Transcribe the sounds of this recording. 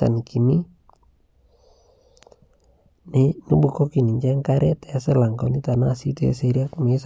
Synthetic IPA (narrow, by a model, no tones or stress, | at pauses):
a̰nkʰini | ninubukokiniɲt͡ʃaŋkaɾɛt̪aselaŋkanit̪anaːsit̪ua̰seɾiakmes